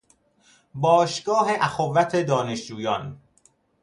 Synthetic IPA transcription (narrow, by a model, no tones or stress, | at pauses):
bɒːʃɡ̥ɒːɦeʔæxovːæt̪ʰed̪ɒːneʃd͡ʒuːjɒːn